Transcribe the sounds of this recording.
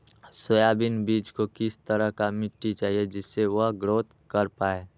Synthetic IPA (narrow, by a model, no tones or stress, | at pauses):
səjaːbɪnbiːd͡ʒkokɪst̪əɾəɦkamɪʈːit͡ʃaːɦied͡ʒɪsːeʋəɦɡɾoːt̪ | kəɾpaːe